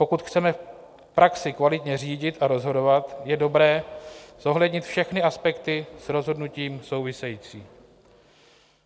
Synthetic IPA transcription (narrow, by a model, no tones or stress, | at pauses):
po̞kut̪xt͡sɛmɛf | pɾaksɪkvalɪt̪ɲɛr̝iːɟɪt̪ʔaɾo̞zɦo̞do̞vat̪jɛdo̞bɾɛːz̥o̞ɦlɛdɲɪt̪fʃɛxnɪʔaspɛkt̪ɪsɾo̞zɦo̞dnuciːmso̞wvɪsɛjiːt͡sḭː